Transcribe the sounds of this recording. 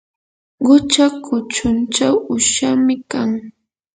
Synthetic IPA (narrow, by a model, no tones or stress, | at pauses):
ɢʊt͡ʃakʰʊt͡ʃʊnt͡ʃawʊʃamɪkaŋ